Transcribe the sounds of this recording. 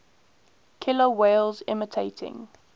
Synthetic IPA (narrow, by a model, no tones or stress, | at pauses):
kʰɪləweɪlzɪ̰mətʰeɪtʰɪ̰̃ŋ